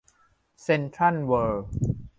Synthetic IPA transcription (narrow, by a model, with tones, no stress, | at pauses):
se˧nt̪ʰa˥˨nwəː˧